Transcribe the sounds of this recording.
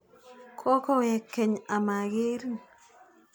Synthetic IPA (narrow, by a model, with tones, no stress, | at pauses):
kʰɔ˦kɔ˦wɛ˨kːe˨ɲa˨ma˨ɡɪ˦ɾ